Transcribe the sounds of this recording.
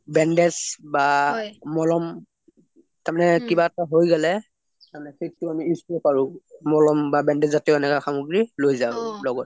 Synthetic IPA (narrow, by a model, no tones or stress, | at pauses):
bɛndɛsbamɔlɔm | taɹmanɛkibaɛtaɦojɡɛlɛ | tanɛsettːʊamiisɔpaɹʊmɔlɔmbabɛndɛzzatɛʊɛnɛkaxamuɡɹilojzaʊlɔɡɔt